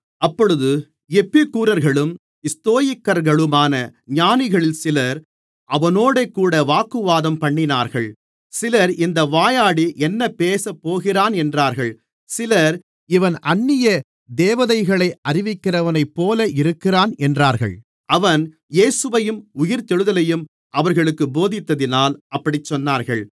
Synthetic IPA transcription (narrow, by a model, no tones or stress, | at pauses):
ɐpːɔɻɯðɯ | ɛpːɪkːuːɾɐɾɣɐɭɯm | ɪst̪oːjɪkːɐɾɣɐɭɯmaːnɐɲaːnɪɣɐɭɪlsɪlɐɾ | ʔɐʋɐnoːɽekːuːɽɐʋaːkːɯʋaːðɐmpɐɳːɪnaːɾɣɐɭ | sɪlɐɾɪnd̪ɐʋaːjaːɽiʔɛnːɐpːeːsɐpːoːɣɪraːnɛndraːɾɣɐɭ | sɪlɐɾ | ɪʋɐnʔɐɳːɪjɐ | d̪eːʋɐðɐɪɣɐɭɐɪʔɐrɪʋɪkːɪrɐʋɐnɐɪpːoːlɐʔɪɾɯkːɪraːnɛndraːɾɣɐ̰ɭ | ɐʋɐn | jeːsɯʋɐjɯmʊjɪɾt̪ɛɻɯðɐlɐjɯm | ʔɐʋɐɾɣɐɭɯkːɯboːðɪt̪ːɐðɪnaːlɐpːɐɽɪt͡ʃːɔnːaːɾɣɐɭ